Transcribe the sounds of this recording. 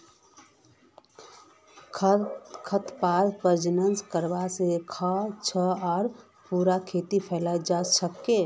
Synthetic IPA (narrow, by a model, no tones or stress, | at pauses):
kʰət̪paːɾpəɾd͡ʒənənskəɾbasekʰat͡ʃʰəaːɾ | puɾakʰet̪ipʰɛːlaid͡ʒasəkːe